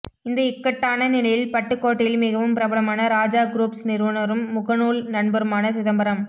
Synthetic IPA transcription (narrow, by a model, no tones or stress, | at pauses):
ɪnd̪ɐɪkːɐʈːaːnɐnɪɭɐjɪlpɐʈːɯkːoːʈːɪlmɪɣɐʋɯmpɪɾɐbɐɭɐmaːnɐɾaːd͡ʒaːɡɾuːpsnɪɾʋɐnɐɾɯmːʊɣɐnuːlnɐɳbɐɾɯmaːnɐsɪðɐmbɐɾɐm